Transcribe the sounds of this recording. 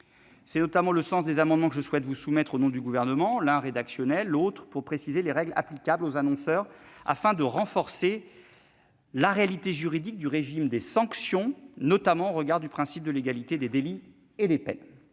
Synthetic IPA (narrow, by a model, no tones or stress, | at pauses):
sɛnɔt̪amɑ̃ləsɑ̃sd̪ezamɑ̃d̪mɑ̃kəʒəswɛt̪vusumɛt̪χonɔ̃d̪yɡuvɛʁnəmɑ̃lɛ̃ʁed̪aksjɔnɛlːot̪χpuʁpχesizeleʁɛɡla̰plikʲablozanɔ̃sœːʁa̰fɛ̃d̪əʁɑ̃fɔʁse | laʁealit̪eʒyʁid̪ik̚d̪yʁeʒimd̪esɑ̃ksjɔ̃nɔt̪amɑ̃oʁəɡaʁd̪ypχɛ̃sip̚d̪əleɡalit̪ed̪ed̪eli | ed̪epɛ̰n